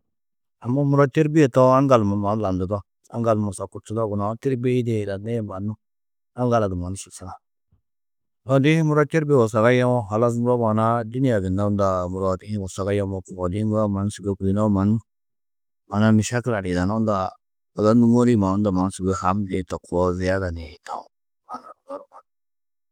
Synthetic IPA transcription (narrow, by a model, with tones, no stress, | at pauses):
a˨mːa˦mu˦ɾa˦te˦ɾbi˦e˨to˦a˦ŋɡa˨lma˨ma˨˦n˦la˨ndu˨dɔ˦ | a̰˦ŋɡa˨lma˨sa˨ku˦t͡ʃu˦da˦ɡu˨na˨˦ti˦ɾbe˦i˦de˨la˨na˦jba˨nu˦ | a˦ŋɡa˨la˨ɡi˨ma˨nu˦su˨sa˦la˨ | la˨di˦i˦mu˦ɾa˦te˦ɾbe˦˨wo˨s̬a˨ka˦ja˦mɔ˦ɦa˨la˦s̬mu˦ɾo˦ma˨na˦di˦ni˦ja˨ɡi˨na˦u˦da˨mu˨ɾa˦˨di˦i˦wo˨sa˨ɡa˦ja˦mo˦ku˨a˨di˦mu˦ɾa˦ma˨n˦su˨ɡe˦ku˨i˦na˦ma˨nu˦ | ma˨na˦mi˨ʃa˦kla˨ɾi˨da˨na˦u˦nda˨ | a˨za˦ndu˦mo˦ɾi˦ma˨u˦nda˨ma˨n˦su˨ɡe˦ha˨˦mde˨˦ta˨ku˨wo˦zi˨˦ja˦da˨ne˨ta̰˨˦ | ma˨na˨ɾu˨ɡa˦ɾu˨ma˨n˦